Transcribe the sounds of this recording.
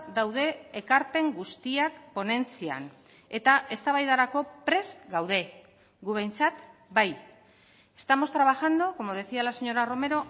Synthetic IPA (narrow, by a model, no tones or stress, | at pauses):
d̪awðe̞ːkaɾpe̞ŋɡust̪iakpo̞ne̞nt͡sia̰n | e̞t̪aʔe̞st̪aβajðaɾako̞pɾe̞zɡawð̞e̞ | ɡuβe̞jnt͡sat̪baj | e̞st̪amo̞st̪ɾaβ̞axand̪oko̞mo̞ð̞e̞sialase̞ɲo̞ɾaro̞me̞ɾo̞